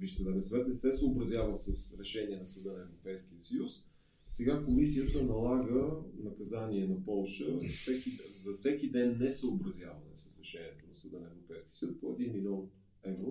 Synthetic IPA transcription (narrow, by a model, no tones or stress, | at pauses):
biʃt̪əd̪avinsvɛt̪nɛsɛsəobɾɐzʲjavəsɐsɾɛʃɛniɛnɐsəd̪ənɐɛvɾopɛjsk̟iəsəjus | sɛɡakomisiət̪ənɐlˠaɡənɐkɐzaniɛnɐpɔlˠʃəfsɛkizɐsɛkid̪ɛnːɛsəobɾɐzʲjavənɛ̰sə̥sɾɛʃɛniɛt̪onɐsəd̪ənɐɛvɾopɛjski̥ə̥səjuspoɛd̪inmilʲɔn | ɛvɾo